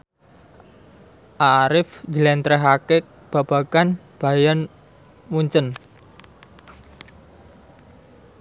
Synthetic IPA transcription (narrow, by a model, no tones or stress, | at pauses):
ʔaɾɪfd͡ʒəlɛnt̪ɾɛɦakɪk̚ | b̥a̤b̥a̤kan | b̥a̤jan | muɲt͡ʃən